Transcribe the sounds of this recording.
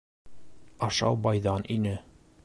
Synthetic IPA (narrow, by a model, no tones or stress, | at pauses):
ɑʃɑwbɒjðɑnʔinɘ